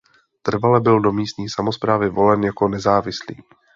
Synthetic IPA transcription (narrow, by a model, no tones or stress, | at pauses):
t̪r̩valɛbɪldo̞miːst̪ɲiːsamo̞spɾaːvɪvo̞lɛnjako̞nɛzaːvɪslḭː